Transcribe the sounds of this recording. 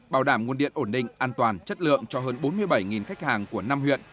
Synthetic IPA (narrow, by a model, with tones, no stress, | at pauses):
ɓaː˧˩wɗaː˧˩mŋu˧ənɗḭ˧˨ənʔo˧˩nɗḭ̈˧˨ŋ̟ʔaː˧nt̪waː˨˩nt͡ɕə˦˥t̚lɨ̰˧˨əŋt͡ɕɔ˧ɦəː˧nɓo˨˦nmɨ˧əjɓəa˧˩jŋi˨˩nxa˦˥jk̟̚haː˨˩ŋku˧˩əna˧mhwḭ˧˨ən